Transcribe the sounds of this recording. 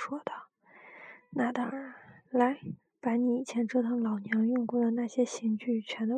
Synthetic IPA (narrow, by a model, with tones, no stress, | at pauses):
ʂwɔ˥d̪ə˩ | na˥˩d̪ə˥ə˨˩la˧˥ɪ | pa˧˥ni˧˥i˨˩t͡ɕʰjɛ˧˥nʈ͡ʂɤ˥t̪ʰɤ˧˥ŋlɑ˨˩ʊnjɑ˧˥ŋjʊ˥˧ŋku˥˩d̪ə˩na˥˩ɕjɛ˥ɕi˧˥ŋt͡ɕy˥˩t͡ɕʰɥɛ˧˥nd̪ə˧